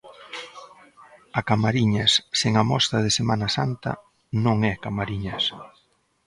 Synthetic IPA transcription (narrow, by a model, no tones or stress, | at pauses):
ɐkamaɾiɲɐsseŋamɔ̰st̪ɐðɪsemanɐsant̪ɐ̰ | nõŋɛkamaɾiɲɐs